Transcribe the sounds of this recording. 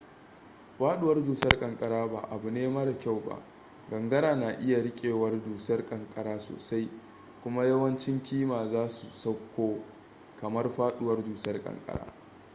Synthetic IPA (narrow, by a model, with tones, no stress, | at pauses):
ɸaː˦ɗʊ˦wɐ˦rduː˨sɐ˦rkʼɐ˨ŋkʼɐ˨ɽaː˦baː˨ʔa˨bu˨neː˦maː˦da˨kʲa˦˨wba̰˨ʔ | ɡɐ˨ŋɡɐ˦ɽaː˨naː˨ʔɪ˦ja˨ɽɪ˦kʲʼeː˨wɐ˦rduː˨sɐ˦rkʼɐ˨ŋkʼɐ˨ɽaː˦so̰ː˨sa˦j | kʷʊ˦ma˦jɐ˦wɐ˦nt͡ʃɪ˦ŋkʲiː˦maː˨zaː˦su˨sɐ˦kʷːoː˦ | kɐ˨mɐ˦rɸaː˦ɗʊ˦wɐ˦rduː˨sɐ˦rkʼɐ̰˨ŋkʼɐ̰˨ɽa̰ː˦